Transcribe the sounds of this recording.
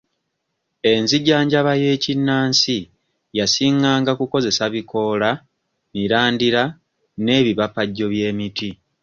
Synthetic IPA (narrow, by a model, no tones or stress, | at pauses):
e̞nziɟaːɲɟaβaje̞ːcinːaːnsi | jasiŋɡaːŋɡakuko̞ze̞saβiko̞ːla | miɾaːndiɾa | ne̞ːβiβapaɟːo̞βje̞ːmiti